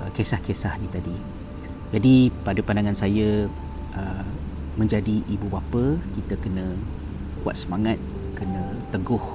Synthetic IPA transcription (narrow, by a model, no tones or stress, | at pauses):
kesahkesahnĩt̪adi | d͡ʒadipadəpandaŋansajə | ə | mə̃ɲd͡ʒadiʔibubapəkit̪əkənə̃ | kua̰t̪̚səmaŋat̪̚ | kənə̃t̪əɡʊh